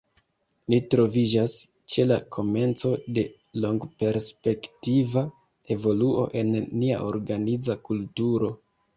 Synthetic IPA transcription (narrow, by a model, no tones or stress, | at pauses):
nitɾo̞vid͡ʒas | t͡ʃe̞la̰kʰo̞me̞nt͡so̞de̞ | lo̞ŋɡpe̞ɾspe̞ktiva | e̞vo̞luʔo̞̰ʔe̞nːia̰ʔo̞̰ɾɡanid͡zakultuɾo̞